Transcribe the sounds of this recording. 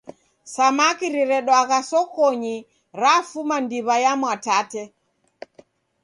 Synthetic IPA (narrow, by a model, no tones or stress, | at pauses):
samakiɾiɾɛɗwaɣasɔkɔɲi | ɾafumandiβajamwatatɛ